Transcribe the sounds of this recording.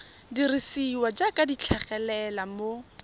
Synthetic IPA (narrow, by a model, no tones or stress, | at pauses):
dirisiwad͡ʒakʼadit͡ɬʰaχɛlɛlamo